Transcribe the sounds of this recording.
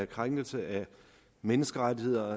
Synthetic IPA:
æɐkʰʁaŋɡ̥l̩səʔæ | menəsɡ̥əʁat͡sihe̝ð̞̰ˠɐ

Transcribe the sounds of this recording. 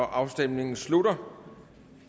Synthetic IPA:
ɒʔɑ̈ʊsd̥em̰ne̝ŋn̩slud̥ɐ

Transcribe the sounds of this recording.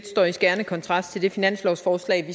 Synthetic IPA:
d̥sd̥ɒ̰ːisɡ̥æɐnəkʰɒ̽nt͡sʰʁɑ̈sd̥t͡sʰe̝ld̥e̝finæn̰slɒʊsfɒːslɛ̰ɪʋi

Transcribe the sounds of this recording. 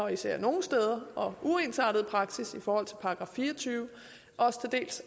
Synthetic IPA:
ɒisæɐ̰no̝ːn̩sd̥eːð̞ˠɐʔɒ̽ʔuensɑ̰̈ːd̥ð̩ˠpʰʁɑ̈ɡ̥sisifɒːhɒ̽l̰t͡sʰe̝lpʰɑ̈ːɡ̥ʁɑ̈fiːɐɒt͡sʰyːʊ | ʔɒ̽sə̥t͡sʰe̝d̥e̝̰ːls

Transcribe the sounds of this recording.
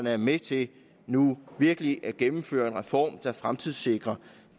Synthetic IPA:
nəæɐmet͡sʰe̝l | nuʋiɐɡ̥əliʔæɐɡ̥emm̩fø̰ɐe̝nʁɛfɒ̰ːmd̥ɑ̈fʁamt͡sʰið̰ˠse̝ɡ̥ʁɐ

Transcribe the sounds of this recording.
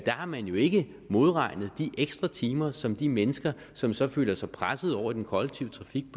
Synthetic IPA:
d̥æhɑ̈mænjo̝e̝ɡ̥ə | mo̝ð̞ˠʁɑ̈ɪ̰nəð̞̩ˠd̥iʔeɡ̥sd̥ʁɑ̈t͡sʰiːmɐsɒ̽md̥imenəsɡ̥ɐ | sɒ̽msɒ̽fø̰ːlɐsɑ̈ɪpʰʁasəð̞̩ˠɒʊ̰ɐd̥enkʰɒ̽leɡ̥̚t͡sʰiʊət͡sʰʁɑ̈fiɡ̥̚pʰ

